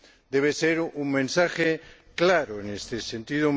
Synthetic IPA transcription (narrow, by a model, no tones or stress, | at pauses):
d̪eβ̞eseɾuŋmẽnsaxe | klaɾoenest̪esent̪iðo